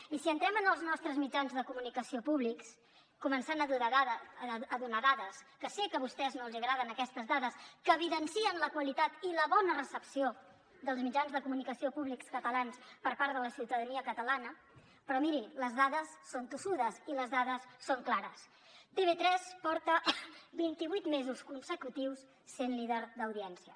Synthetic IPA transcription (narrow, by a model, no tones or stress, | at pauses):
isiənt̪ɾɛmənəlˠznɔst̪ɾəzmid͡ʒanzðəkumunikəsiopuβliks | kumənsanəðua | əðunaðaðəskəsikəβust̪ɛznolˠziəɣɾaðənəkɛst̪əzðaðəskəːβ̞iðənsiənləkwəlit̪at̪iləβɔnərəsəpsio | ðəlˠzmid͡ʒanzðəkumunikəsiopuβlikskət̪əlanspəɾpaɾðələsiwt̪əðəniəkət̪əlanə | pɾɔmiɾiləzðaðəsːont̪usuðəziləzðaðəsːoŋklaɾəs | t̪eβet̪ɾɛspɔɾt̪əbint̪iβujt̪mezuskunsəkut̪iwsː | enliðəɾd̪əwðiɛnsiə